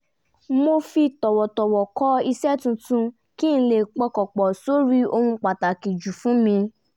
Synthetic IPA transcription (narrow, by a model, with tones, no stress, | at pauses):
mo˧fi˧tɔ˨wɔ˨tɔ˨wɔ˨kɔ˦i˧sɛ˦tũ˧tũ˧ | kĩ˦ñ̩˧le˨k͡pɔ˧kɔ˨k͡pɔ˨so˨˦ɾi˦o˧hũ˧k͡pa˨ta˨ki˨d͡ʒu˨fũ˨˦mĩ˧